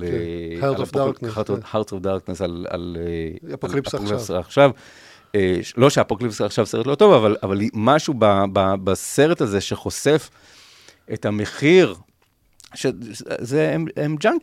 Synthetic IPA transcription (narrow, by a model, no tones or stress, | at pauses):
haʁtofdaʁknesala̰lelokipsaχʃav | lo̞ʃeapoklipsaχʃavse̞ʁetlo̞to̞vavalavalimaʃubababase̞ʁetazeʃeχo̞sef | etameχiʁ | ʃezeememd͡ʒaŋk